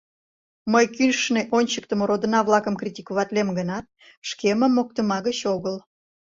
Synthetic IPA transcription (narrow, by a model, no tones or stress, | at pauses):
məjkynʃneʔonʲt͡ɕək̚t̪əmoɾod̪ənɑβlɑkəmkrʲitʲikuβɑt̪lʲemɡənɑt̪̚ | ʃkemə̆mːok̚t̪əmɑɣət͡ɕoɣəl